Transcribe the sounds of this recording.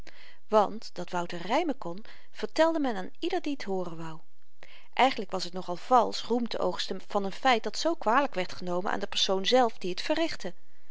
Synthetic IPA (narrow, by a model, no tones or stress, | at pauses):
ʋɑntd̥ɑtʋʌwtərɛjməkɔn | v̥əɹtɛlˠdəmɛnaːnidəɹdiətɦʊːrənʋɑw | ʔɛjχəndləkʋɑsɦətnɔχɑlˠv̥ɑlˠsrumtəʔowχstənv̥ɑnənfɛjt̚dɑtsowkʋaːləkʋɛɹtχənowmə̰na̰ːndəpəɹsownzɛlˠfdiətfərɪχtə